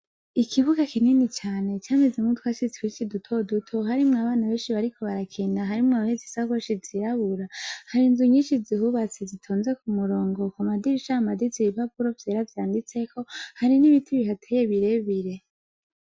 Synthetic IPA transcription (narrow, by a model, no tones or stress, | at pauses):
ikʰiβuɡakininit͡ʃaːne̞t͡ʃaːmezemŋutʰwaːʃit͡se̥kwit͡ʃidutʰo̞dutʰoɦaɾimŋaβaːnaβe̞ːnʃiβaɾikʰo̞βaɾakʰiːndaɦaɾimŋaβahezisaɡwoʃiziɾaβuɾahaɾinzuɲiːnʃizihuβat͡sizitʰoːnze̞kumuɾo̞ːŋɡo̞kumadiɾiʃamadiziβiβapuɾo̞vjeːɾavjaːndit͡se̞kʰo̞haɾiniβitʰiβiɦatʰejeβiɾe̞βiɾe̞